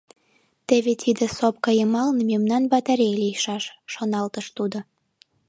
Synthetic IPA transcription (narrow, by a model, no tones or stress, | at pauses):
t̪eβet̪ʰid̪ĕsop̚kəjəmɑlnmemnɑnbɑt̪eɾʲejlijʃɑʃʃonɑlt̪əʃt̪ud̪o